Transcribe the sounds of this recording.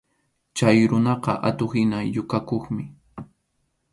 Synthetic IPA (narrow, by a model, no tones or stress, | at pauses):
t͡ʃajɾʊnɑqɑ̰ʔat̪oχɪnajʊkakoχmɪ